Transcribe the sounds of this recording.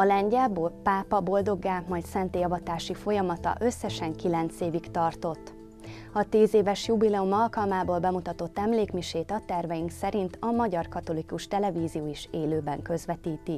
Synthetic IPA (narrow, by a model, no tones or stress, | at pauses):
ɒlɛɲɟɛlboːlpaːpɒbo̞ld̪o̞ɡaːmɒjt̪sɛnt̪eːjɒvɒt̪aːʃifo̞jɒmɒt̪ɒ̰ʔø̞sːɛʃɛŋkilɛnt̪seːvikt̪ɒrt̪o̞t̪ː | ɒt̪iːzeːvɛʃjubilɛumɒlkɒlmaːboːlbɛmut̪ɒt̪o̞t̪ːɛmleːkmiʃeːt̪ɒt̪ɛrvɛjiŋksɛɾint̪ʰɒmɒɟɒrkɒt̪o̞likuʃt̪ɛlɛviːzijoːiʃeːløːbɛŋkø̞zʋɛt̪iːt̪i